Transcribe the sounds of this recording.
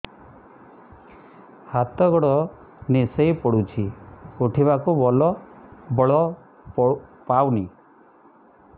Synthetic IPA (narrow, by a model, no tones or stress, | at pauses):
hat̪ɔɡɔɽɔ | nisejpɔɽut͡ʃʰiuʈʰiβakubɔlɔbɔɭɔ | ppawni